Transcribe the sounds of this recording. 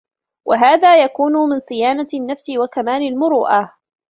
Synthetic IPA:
wʔaɦaːðaːjakuːnʊmɪnsˤɨjaːnanːafsɪwakamaːlɪlmʊɾuːʔa

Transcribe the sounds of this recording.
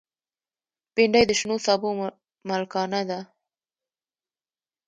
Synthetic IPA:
peɳɖajd̪əʃnosɑbo | malkɑnad̪a

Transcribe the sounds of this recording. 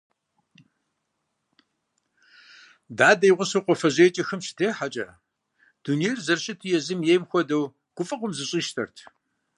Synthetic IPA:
daːdɐjʁʷʊsoqʷɔfɐʑeːt͡ʃʼɐxɐmʃɪ̥tʰeːħat͡ʃʼɐ | d̥unijrzɐrɕʼɪtʰɨjɛzɨmjejmxʷɔdɐw | ɡ̥ʷʊfʼɐqʷʊmzɨɕʼiːʃtʰɐ̰rtʰ

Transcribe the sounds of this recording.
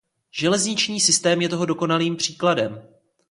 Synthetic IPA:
ʒ̥ɛlɛzɲɪt͡ʃɲiːsɪst̪ɛːmjɛt̪o̞ɦo̞do̞ko̞naliːmpr̝̥iːkladɛm

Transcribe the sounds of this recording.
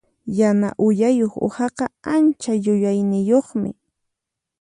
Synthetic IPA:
janaʔʊjajoχo̰hɑqɑant͡ʃajʊjajnɪjoχmɪ̰

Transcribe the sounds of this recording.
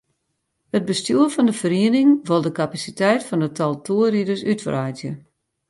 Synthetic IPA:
həd̚bəstjuːəfɔndəfəɾiənɪŋʋolˠdəkapasitɛjtfɔndətʰɔlˠtʰuəridəsytfrajzjə

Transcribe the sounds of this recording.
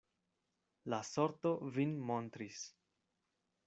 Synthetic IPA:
laso̞ɾt̪o̞vinmo̞nt̪ɾis

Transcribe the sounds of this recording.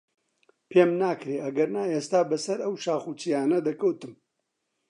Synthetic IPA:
pʰeːmnaːkɾeːɐɡɐɾnaːeːst̪aːbɐsɐɾɐwʃaːχuːt͡ʃijaːnɐd̪ɐkɐwt̪ɨm

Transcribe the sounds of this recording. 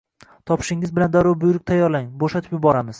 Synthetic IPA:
t̪ʰɒpʰɪ̥ʃɪŋɪzbɪland̪aɾʊɾbʊjʊɾɪk̚ʲt̪ʰajɒɾlaŋboʃat̪ʰɪ̥pjʊbɒɾamɪz̥

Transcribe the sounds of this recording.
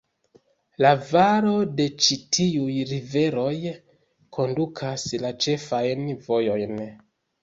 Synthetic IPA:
lavaɾo̞de̞t͡ʃitʰiujɾive̞ɾo̞j | kʰo̞ndukʰaslat͡ʃe̞fajnvo̞jo̞jn

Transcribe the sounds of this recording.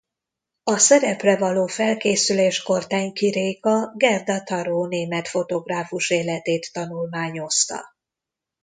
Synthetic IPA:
ɒsɛɾɛprɛvɒloːfɛlkeːsyleːʃko̞rt̪ɛɲkiɾeːkɒɡɛrd̪ɒt̪ɒɾoːneːmɛt̪fo̞t̪o̞ɡraːfuʃeːlɛt̪eːt̪ːɒnulmaːɲo̞st̪ɒ̰

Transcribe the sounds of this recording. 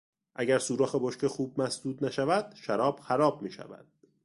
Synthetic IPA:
ʔæɟæɾsuːɾɒːxeboʃkexuːb̚mæsd̪uːd̪næʃævæd̪̥ʃæɾɒːb̥xæɾɒːb̚miːʃæ̰væ̰d̪̥̚

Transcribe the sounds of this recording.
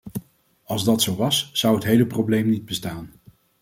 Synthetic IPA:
ɑlˠzdɑtsowʋɑsz̥ʌwɦətɦejləprowblejmnid̚bəstaːn

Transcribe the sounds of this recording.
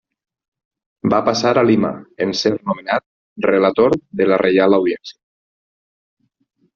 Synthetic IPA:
bapasaɾalima̰enseɾnumenat̪̚ | relat̪oɾðelarʔejalawðiɛnsia

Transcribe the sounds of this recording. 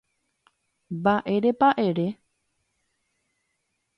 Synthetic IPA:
baʔe̞ɾepaʔeɾe̞

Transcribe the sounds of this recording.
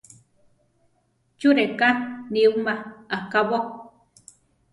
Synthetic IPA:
t͡ʃuɾekaniumaakaβo

